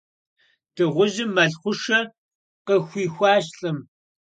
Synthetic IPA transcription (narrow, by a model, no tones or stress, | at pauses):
d̥ɨʁʷʊʒɪmːɐɮχʷʊʂɐ | qəxʷiːxʷɑːɕɬʼɨm